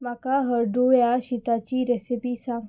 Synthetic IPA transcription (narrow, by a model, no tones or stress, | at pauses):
makaɦəɾɖujaɕit̪at͡ɕiːɾɛsipiːsa